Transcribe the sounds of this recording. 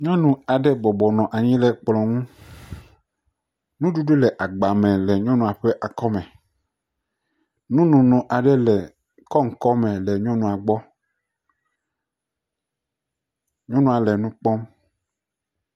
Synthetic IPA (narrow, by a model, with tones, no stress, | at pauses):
ɲɔ̃˦nũ˨a˨ɖɛ˦bɔ˨bɔ˨nɔ̃˨ʔa˨ɲĩ˦lɛ˨k͡plɔ̃˨ŋũ˦ | nũ˦ɖu˦ɖu˦lɛ˨ʔa˨ɡ͡ba˨mɛ̃˨lɛ˨ɲɔ̃˦nũ˨a˨ɸe˦ʔa˨kɔ˦mɛ̃˨ | nũ˦nũ˨nũ˨ʔa˨ɖɛ˦lɛ˨ | kɔ˦ŋ̩˨kɔ˦mɛ̃˨lɛ˨ɲɔ̃˦nũ˨a˨ɡ͡bɔ˦ | ɲɔ̃˦nũ˦a˨le˨nũ˦k͡pɔ˦m